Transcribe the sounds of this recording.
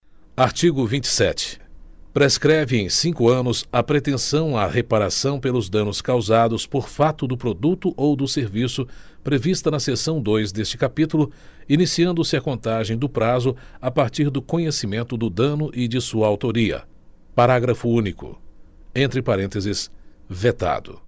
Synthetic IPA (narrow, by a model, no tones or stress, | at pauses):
aɾt͡ʃiɡʊvĩnt͡ʃɪ̥sɛ̰t͡ʃɪ̥pɾeskɾɛvɪẽj̃sĩkʊɐ̃nʊsɐpɾet̪ẽsɐ̃w̃a̰hepaɾasɐ̃w̃pelʊzd̪ɐ̃nʊskawzad̪ʊspoɾfat̪ʊd̪ʊpɾod̪ut̪ʊʔowd̪ʊseɾvisʊ | pɾevist̪ɐnɐsesɐ̃w̃d̪ojzd̪est͡ʃɪ̥kapit̪ulʊinisiɐ̃nd̪ʊsɪɐkõnt̪aʒẽj̃d̪ʊpɾazʊapaɾt͡ʃiɾd̪ʊkõɲesimẽnt̪ʊd̪ʊd̪ɐ̃nʊʔɪd͡ʒɪsuɐawt̪oɾiɐ̰ | paɾaɡɾɐfʊũnikʊ̰ | ẽnt̪ɾɪpaɾẽnt̪ezɪs | vet̪a̰d̪ʊ̰